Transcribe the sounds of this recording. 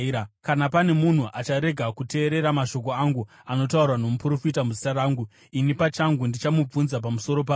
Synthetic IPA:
kanapane̞mun̤uʔat͡ʃaɾe̞ɡʱakute̞ːɾe̞ɾamaʃo̞k̬o̞aŋɡu | ano̞taurwano̞mupuro̞fitamuzitaɾaːŋɡu | inipat͡ʃaŋɡundit͡ʃamub͡vunzap̬amuso̞ɾo̞pa

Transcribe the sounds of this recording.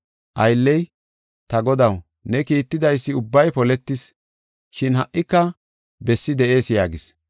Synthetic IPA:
ʔɐjlːɛj | t̪ɐɡɔd̪ɐw | nɛkiːt̪ːɪd̪ɐjsːɪʊbːɐjpɔlɛt̪ːɪs | ʃɪnɦɐʔʔɪkːɐ | bɛsːɪd̪ɛʔe̞ːsjaːɡɪs

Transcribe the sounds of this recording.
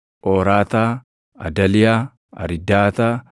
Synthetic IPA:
ʔoːɾaːt̪aː | ɐ̰d̪ɐlɪjaː | ɐ̰ɾɪd̪aːt̪aː

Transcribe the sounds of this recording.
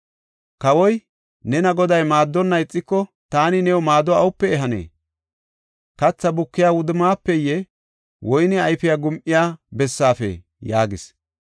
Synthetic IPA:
kɐwɔj | nɛnɐɡɔd̪ɐjmaːd̪ːɔnːɐjɪt͡sʼːɪkːɔ | t̪aːnɪnɛwɔmaːd̪ːɔɐwʊpːɛɛɦɐnḛː | kɐt͡sːɐbʊkːɪjaːwʊd̪ɪmaːpːɛjɛ | wʔɔjnɪɐjfɪjaɡʊmʔɪjaːbɛsːaːfḛ | jaːɡɪs

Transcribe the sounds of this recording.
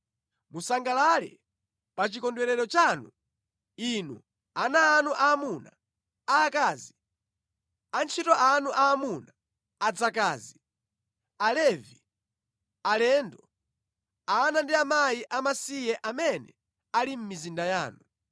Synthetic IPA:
musaŋɡalalɛ̰ | pat͡ʃikɔndwɛɾɛɾɔt͡ʃanu | inṵ | anaːnuʔaːmuna | aːkaːzi | ant͡ʃʰitɔʔanuʔaːmuna | ad͡zakaːzi | alɛvi | alɛndɔ | aːnandiamajiʔamasijɛʔamɛnɛ̰ | alim̩mizindaja̰ːnu

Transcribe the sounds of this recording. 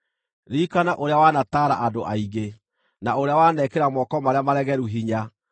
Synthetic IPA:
ɾikanaʔoɾeawanataɾa̰ʔadoʔaiɣe | naoɾeawanɛkeɾamɔkɔmaɾeamaɾɛɣɛɾuɦiɲa

